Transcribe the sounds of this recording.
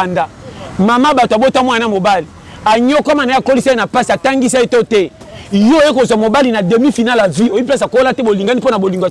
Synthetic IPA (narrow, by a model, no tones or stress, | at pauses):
andamamabatoabotamwnamobali | aɲokamanaakolisanapasiataŋɡis̬aetotɛ | jojekozwamobalinademifinalaviopas̬akolatɛboliŋɡaniponaboliŋɡoa